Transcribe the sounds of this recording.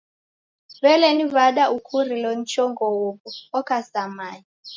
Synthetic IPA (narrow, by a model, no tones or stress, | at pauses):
vɛlɛnivaɗaʔukʰurilɔn̩t͡ʃʰʼɔŋɡɔwukɔɔkʰasamaːɲi